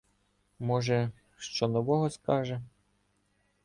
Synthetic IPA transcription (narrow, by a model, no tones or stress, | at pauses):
mɔʒɛ | ʃt͡ʃɔnɔʋɔɦɔskɑʒɛ